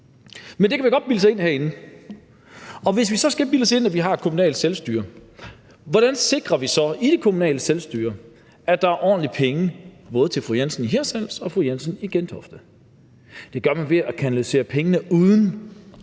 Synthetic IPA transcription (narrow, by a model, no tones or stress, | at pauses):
mende̝kʰæʋiɡ̥ɒ̽d̥̚biləs̬ɑe̝n̰hæɐ̰e̝nn̩ | ɒ̽ʋe̝s̬ʋisɒ̽sɡ̥æbiləse̝n̰æʋiɦɑ̥̈kʰomunɛ̰ːlselsd̥yːɐ | ʋɒɾ̥ænse̝ɡ̥ʁɐʋisɒ̽id̥ekʰomunɛ̰ːləselsd̥yːɐ | æd̥ɑ̈æɐʔɒ̰ːnlipʰeŋəb̥ɔ̽ːðˠət͡sʰe̝lfʁujænsnɦeɐsæl̰sɒ̽fʁujænsəniɡ̥end̥ʰɒ̽fd̥ə | d̥e̝ɡ̥ɶɐmænʋe̝ækʰænælise̝̰ːɐpʰeŋənəuðˠn̩